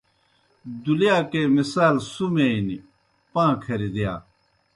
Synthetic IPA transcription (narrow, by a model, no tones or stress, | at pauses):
d̪uljaːkeːmisaːlsumeini | pãːkʰɐɾid̪ija̰ː